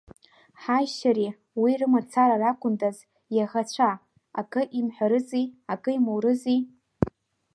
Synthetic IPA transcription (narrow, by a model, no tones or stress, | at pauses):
ħajʃaɾi | wirɨmat͡sʰaɾarakʷʊndaz | jaʁat͡ɕʷʰa | akʼɨʔimħʷaɾɨziakʼɨimowɾɨzi